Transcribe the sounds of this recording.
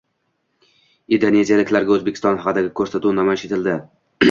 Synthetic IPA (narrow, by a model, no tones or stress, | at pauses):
id̪one̞zijalɪkʲlaɾɡʲaɵzbekʲɪ̥st̪ɒnhɑqɨd̪aɡʲɪkʰɵɾsat̪unamɒɪʃet̪ʰɪld̪ɪ